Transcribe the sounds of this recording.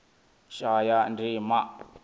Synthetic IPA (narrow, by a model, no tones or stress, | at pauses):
ʃajandimaʔ